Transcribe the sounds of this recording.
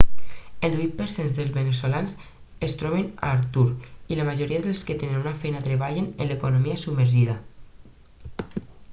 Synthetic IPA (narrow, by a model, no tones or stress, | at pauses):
elˠd̪wit̪̚pəɾsenzðəlzβenesolans | est̪ɾɔβena̰ːɾt̪uɾilamaʒoɾiaðəlˠsket̪enenunafɛjnat̪ɾeβaʎenḛnlekonomiasubməɾʒiða